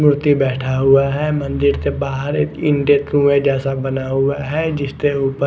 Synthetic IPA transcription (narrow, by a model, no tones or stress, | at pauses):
mʊɾt̪ibɛːʈʰaɦʊaɦɛmə̃nd̪ɪɾt̪ebaːɦəɾɪ̃ɳʈet̪ɾũːẽd͡ʒɛːsabənaɦʊaɦɛd͡ʒɪst̪euːpə